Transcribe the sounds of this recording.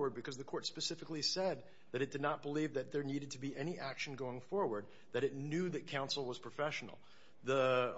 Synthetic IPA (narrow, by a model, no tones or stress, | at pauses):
wə˞d̚bɨkʰʌzðɨkʰɔɹtspɨsɪfɨklisɛd̪̚ | ðɨɾɨt̚d̥ɨdⁿnət̚b̥əlivðɨt̪̚ðə˞niɾɨd̚tʰɨbiʔɛñiʔækʃn̩ɡoʊɪ̃ŋfɔɹwə˞d̪̚ | ðɨɾɨtⁿnjʉðɨt̚kʰãʊ̃nsl̩ˠwʌz̥pʰɹ̥ɨfɛʃn̩l̩ˠ | ðə